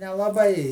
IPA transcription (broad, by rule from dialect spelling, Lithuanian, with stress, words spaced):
nʲɛlˠɐˈbɐɪ